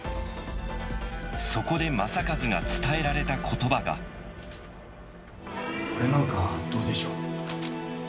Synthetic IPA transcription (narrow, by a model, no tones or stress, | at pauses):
so̞ko̞d̪e̞masakazɨɡa̰t͡sɨ̥t̪ae̞ɾaɾe̞t̪akʰo̞t̪o̞baɡa̰ | oɾenokad̪̥oːd̪e̞ɕo̞ː